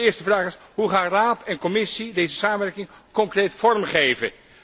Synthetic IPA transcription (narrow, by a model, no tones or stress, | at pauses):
ɪːɹstəvraːχɪsɦuχaːnraːtɛnkɔmɪsidejzəsaːməʋɛɹkɪŋkɔŋkrejtfɔɹmχejvə̰